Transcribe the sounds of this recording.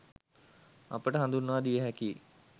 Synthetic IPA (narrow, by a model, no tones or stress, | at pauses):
ɐ̰pəʈəɦãnd̪unːəʋad̪ijəɦɛki